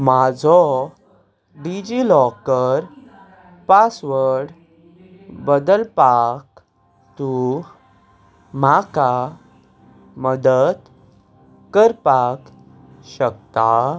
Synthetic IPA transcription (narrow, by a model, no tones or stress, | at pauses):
mad͡zʱɔ | ɖid͡ʑilɔkəɾ | pasʋəɽ | bəd̪əlpak | t̪u | maka | məd̪əd̪ | kəɾpak | ɕək̚t̪a